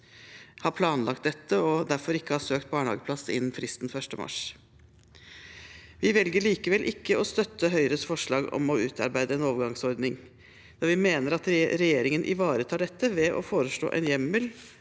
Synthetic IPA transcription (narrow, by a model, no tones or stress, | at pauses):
hɑːɾpʰlɑːnlɑkt̪d̪ɛt̪ːəɔd̪æɾfɔɾɪkːəhɑːsøːk̚t̪̚bɑːɳəhɑ̰ːɡəpʰlɑsɪ̰nːn̩fɾɪst̪n̩fœʂʈəmɑ̰ʂ | ʋɪʋɛlɡəɭiːkəʋɛlʔɪkːəɔst̪œt̪ːəɦœʏɾəsfɔʂɭɑːɡɔ̰mɔʉːt̪ʰɑ̰ɾbæɪd̪əɛnoːʋəɾɡɑŋsɔɾd̪nɪŋ | d̪̥ɑːɾʋɪmeːnəɾɑt̪ɾɛjeːɾɪŋənʔɪ̰ʋɑːɾət̪ʰɑːɖɛt̪ːəʋɛʔɔ̰foːɾəʂɭo̰ːʔɛ̰njɛmːəl